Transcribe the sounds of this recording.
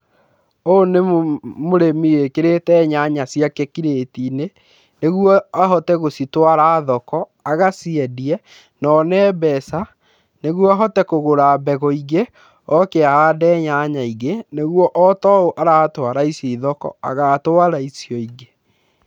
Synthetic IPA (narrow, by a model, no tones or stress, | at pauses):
onemoɾemiekeɾetɛɲaɲasiakɛkiɾetine | neɣwɔaɦɔtɛɣositwaɾaːðɔkɔ | aɣasiɛdiɛ | nɔnɛːbɛsa | neɣwɔaɦɔtɛkoɣoɾaːbɛɣɔiɣe | ɔkeaadɛːɲaɲaiɣeneɣwɔʔɔtɔoʔaɾatwaɾaisiðɔkɔ̰a̰ɣatwaɾaisjɔiɣe